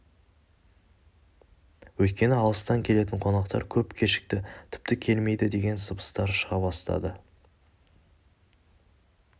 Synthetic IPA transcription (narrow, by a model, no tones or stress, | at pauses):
wɵjt̪̚kʲe̞nɪɑlˠəst̪ɑŋkʲʰe̞le̞t̪̬ɪɴqʰo̞nɑqt̪ɑ̰ɾkʲʰɵpkʲʰeʃɪ̥k̚t̪ɪt̪ʰʏ̥p̚t̪ɪkʲʰe̞lme̞jd̪ɪd̪e̞ɡʲe̞nsəbə̥st̪ɑɾʃəʁɑbɑst̪ɑ̰d̪ə